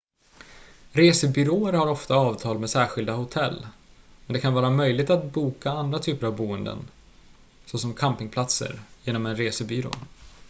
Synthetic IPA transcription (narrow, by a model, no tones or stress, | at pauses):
ɾeːsəbʏɾoːəɾhaɾɔft̪aɑːvt̪ʰɑːlmɛsæːɧɪld̪ahʊt̪ʰɛlː | mɛnd̪ɛkʰanvɑːɾamœjlɪɡ̚t̪at̪buːkaand̪ɾat̪ʰyːpəɾavbuːənd̪ə̰n | sosɔmkʰampɪŋpʰlat̪sə̰ɾjeːnɔmɛnɾeːsəbʏɾo̰ː